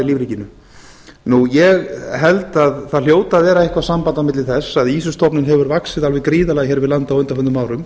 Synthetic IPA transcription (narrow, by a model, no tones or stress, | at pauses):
liːvɾiːcɪnʏ | nujɛɣɦɛlt̪aðθaðljoːwt̪aːðvɛːɾaɪhkvasampant̪awmɪt̪lɪθɛsːaðiːs̬ʏst̪ʰɔpnɪnɦɛvʏɾvaksɪðalvɛkɾiːðalaɣçɛːɾvɪðlant̪awœjnt̪ahœnt̪ʏmaːwɾʏm